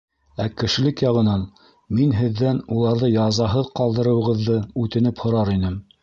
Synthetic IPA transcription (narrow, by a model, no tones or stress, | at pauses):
ækɘ̆ʃɘ̆lɘkjɑʁɤ̆nɑn | minɦɘ̆ðːænulˠɑɾðɤjɑzɑɦɤðqɑlˠd̪ɤ̆ɾɤ̆wɤ̆ʁɤ̆ðːɤʉt̪ɘ̆nɘphŏɾɑɾinɘm